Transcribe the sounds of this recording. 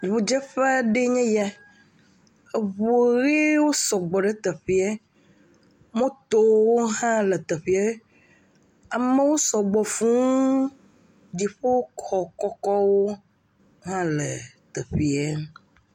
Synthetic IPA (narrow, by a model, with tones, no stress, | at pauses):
d͡ʒi˨ɸu˨d͡ʒɛ˦ɸe˦ɖe˦ɲɛ̃˦ja˦ | e˨βo˨ɣe˦wo˦sɔ˨ɡ͡bɔ˨ɖe˦t̪e˨ɸi˨e˦ | mõ˦t̪o˦wo˦ɦã˦le˨t̪e˨ɸi˨˦e˦ | a˨me˦wo˦sɔ˨ɡ͡bɔ˨fũ˦ | d͡ʒi˨ɸe˦kʰɔ˨kɔ˦kɔ˦wo˦ | ɦã˦lḛ˨ | t̪e˨ɸi˨e˦